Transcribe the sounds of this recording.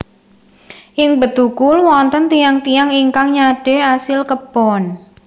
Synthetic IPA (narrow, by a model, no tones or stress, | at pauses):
ʔɪŋbət̪ukʊlwɔnt̪ənt̪ijaŋt̪ijaŋiŋkaŋɲaɖ̥e̤asɪlkəpɔn